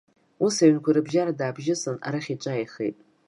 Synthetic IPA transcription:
usaɥnkʷʰaɾɨbʒaɾadaːbʒɪsɨna̰ɾaχʲit͡ʃʷʼajχḛjtʼ

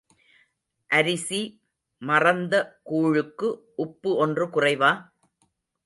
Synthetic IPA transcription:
ʔɐɾɪsi | mɐrɐnd̪ɐkuːɻɯkːɯ | ʔʊpːɯʔɔndrɯkʊrɐɪʋaː

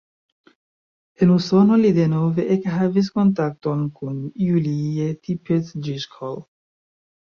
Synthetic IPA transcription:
e̞nuso̞no̞lide̞no̞ve̞ʔekɦavis̬ko̞ntak̚to̞nkunjulietʰipet͡sd͡ʒiskʰol

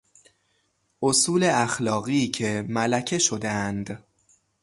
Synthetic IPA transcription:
ʔosuːleæxlɒːɣiːcʰe̞mælækʰe̞ʃo̞d̪eænd̪̥

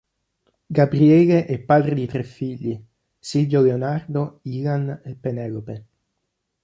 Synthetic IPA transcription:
ɡabɾiɛːleʔɛpːaːd̪ɾed̪it̪ɾefːiʎːi | sild͡ʒoleonard̪oilanepːenɛɡope

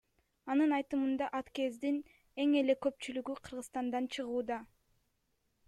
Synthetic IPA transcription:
ɑnɯnɑjt̪ɯmɯnd̪ɑʔɑt̪ke̞zd̪in | e̞ŋe̞le̞kø̞p̚t͡ʃylyɡyqʰɯɾʁɯst̪ɑnd̪ɑnt͡ʃʰɯʁuːd̪ɑ

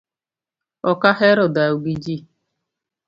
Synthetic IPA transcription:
ɔkaɦɛɾɔdauɡ͡bid͡ʒi

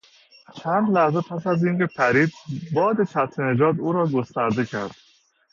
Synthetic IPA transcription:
t͡ʃʰænd̪læhzepʰæs̬æziŋkʰe̞fæɾiːd̪̚bɒːd̪et͡ʃʰæt̪ʰened͡ʒɒːd̪uːɾɒːɡost̪æɾd̪e̞cʰæɾd̪̥̚

